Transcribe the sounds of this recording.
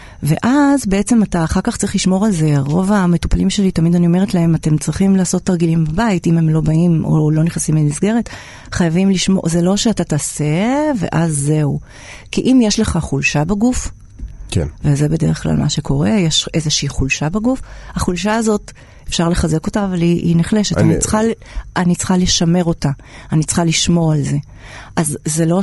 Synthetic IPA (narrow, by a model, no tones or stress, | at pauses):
ve̞ʔazbeʔet͡se̞mataːχaʁkaχt͡saʁiχliʃmo̞ʁalzeʁo̞vametu̥palimʃe̞litamidanio̞me̞etlae̞mate̞mt͡sʁiχimlaːso̞tːaʁɡilimbabaitime̞mlo̞baimo̰lo̞niχnasimlemisɡe̞ʁet | χajavimliʃmo̰zelo̞ʃeatataːse̞ve̞̰ʔazːe̞u | kiʔimjeʃleχaχulʃabeɡuf | kḛvezebe̞deʁeχkla̰lmʔa̰ʃe̞kʰo̞ʁe̞jeʃe̞zeʃiiχulʃabeɡufhaχulʃaːzo̞t | efʃaʁle̞χaze̞ko̞taːvaliʔiniχle̞ʃe̞tanit͡sχal | ʔanit͡sχaleʃame̞ʁo̞ta | anit͡sχaliʃmo̞alze̞ | ʔazːelo̞